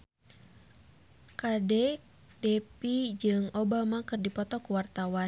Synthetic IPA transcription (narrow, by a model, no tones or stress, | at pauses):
kadɛk | dɛpid͡ʒɨŋobamakɨrdipɔt̪ɔkuwart̪awa